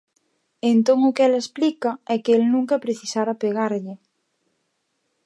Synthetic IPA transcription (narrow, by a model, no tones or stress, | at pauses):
ent̪oŋʊkɛlesplikɐɛkɪelnũŋkɐpɾeθisaɾapeɣ̞aɾʎɪ